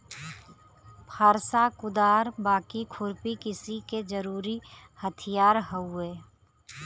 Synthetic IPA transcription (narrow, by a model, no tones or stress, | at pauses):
pʰaːɾsakʊd̪aːɾbaːkikʰʊɾpikɪsiked͡ʒəɾuːɾihət̪ʰɪjaːɾɦəueː